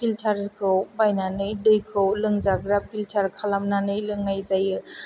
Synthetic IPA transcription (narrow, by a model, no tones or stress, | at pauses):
pʰiltʰaɾzkʰɯwbajnanɯjdɯjkʰɯwlɯŋzaɡɾapʰiltʰaɾkʰalamnanɯjlɯŋnajzajɯ